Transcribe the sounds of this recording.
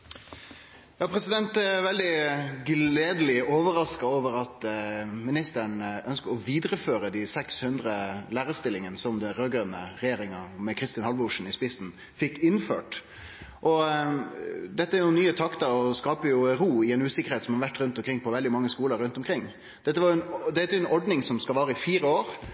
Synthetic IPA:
jɑːpʰɾɛsɪd̪ɛnt̪ɛʋɛld̪ɪɡleːd̪əlɪoːʋəɾɑskɑoːʋəɾɑt̪mɪnɪst̪əɳœnskəɾɔʋiːd̪ɾəføːɾəd̪ɪsɛkshʉnd̪ɾəlæːɾəst̪ɪlːɪŋənsɔmd̪ɛɾøɡœnə̰ɾɛjeːɾɪŋɑmɛkʰɾɪst̪ɪnhɑlʋəʊʂn̩ɪspɪsn | fɪkːɪnfø̰ːʈ | ʔɔ | d̪ɛt̪ːəæɾjʊnyːət̪ʰɑkt̪əɔskɑːpəjʊɾuːɪɛnʉːsɪkːəɾheːt̪sɔmhɑɾʋæʈːɾʉnt̪ɔmkɾɪŋpʰɔʋɛld̪ɪmɑŋːəskuːləɾːʉnt̪ɔmkʰɾɪŋː | d̪̥ɛt̪ːəʋɑɾjʊɛnd̪ɛt̪ːəɛɾʊɛnɔɖnɪŋsɔmskɑlʋɑːɾəɪfiːɾəoːɾ

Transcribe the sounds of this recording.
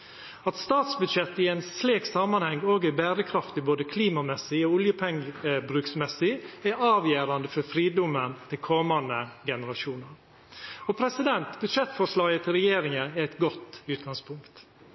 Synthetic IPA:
ɑt̪st̪ɑːt̪sbʉd̪ʂɛt̪ːɪɛɪnsleːksɑmɑnhɛŋːoːɡɪbæːɾəkʰɾɑft̪ɪboːd̪əkʰliːmɑmɛsɪɔʊljəpʰɛŋəbɾʉːksmɛsɪæɾɑːʋjeːɾɑnd̪əfɔɾfɾiːd̪ʊmənt̪ʰɪlkʰɔmɑnd̪əɡɛnəɾɑʂuːnəɾ | ɔpʰɾɛsɪd̪ɛnt̪bʉd̪ʃɛt̪fɔʂɭɑːɡət̪ʰɪlɾɛjeːɾɪŋənɛæɪt̪ɡɔt̪ːʉːt̪̚ɡɑŋspʰʊŋkt̪

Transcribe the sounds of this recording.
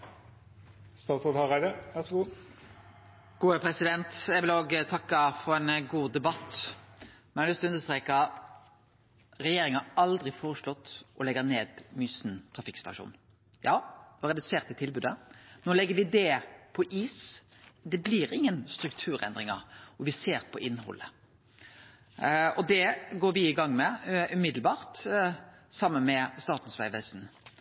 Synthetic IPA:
st̪ɑːt̪sɔːd̪hɑʁæɪd̪əʋæʂɡuː | ɡ̥uːəpʰɾɛsɪd̪ɛnt̪jɛʋɪloːɡət̪ʰɑkːɑfɔɾɛːnɡuːd̪ɛbɑt̪ː | mɛnhɑlʏst̪ɔʉnəst̪ʁeːkɑ | ɾɛjeːɾɪŋɑɾɑld̪ʁɪfoːʁəʂlɔt̪ːʔɔlɛɡəneːd̪myːsnt̪ʰʁɑfɪkst̪ɑʃṵːn | jɑːnoːɾɛd̪ʉseːʁt̪ɪt̪ʰɪlbʉːd̪ənoːlɛɡːəʋɪd̪ɛpʰɔʔiːs | d̪ɛbliɾɪŋːənst̪ɾʉkt̪ʰʉːɾɛ̰nd̪ʁɪŋɑ̰ɾɔʋɪseːɾpʰɔʔɪnːhɔ̰lːə̰ | ɔd̪ɛɡoːɾʋɪɪɡɑŋːmɛʉmɪd̪lbɑːɾt̪ | sɑmːənmɛst̪ɑːt̪n̩sʋæɪʋəsn

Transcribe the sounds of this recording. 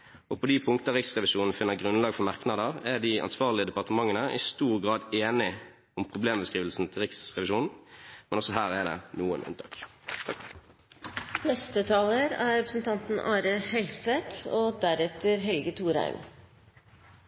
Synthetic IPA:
ʔɔpʰoːd̪ɪpʰʊŋkt̪əəʁɪksʁɛʋɪʃuːnn̩fɪnːəɡʁʉnlɑːɡfɔmɑʁknɑd̪əʁɛd̪ɪɑ̰nsʋɑːʁlɪəd̪ɛpɑʁt̪əmɑŋːənəʔɪ̰st̪uːʁɡʁɑːd̪eːnɪ | ʊmpʰʁʊbleːmbəskʁiːʋl̩sn̩t̪ʰɪlʁɪksʁɛʋɪʃuːnn̩mɛnɔsɔɦæːʁɛd̪ɛ̰nuːə̰nʔʉ̰nt̪ʰɑ̰ːk̪ | nɛst̪ət̪ʰɑːləɾæɾɛpɾəsn̩t̪ʰɑnt̪n̩ʔɑːɾəhɛlsʋɛt̪oːd̪æɾɛt̪əɾɦɛlɡət̪ʰuːɾæ̰ɪm

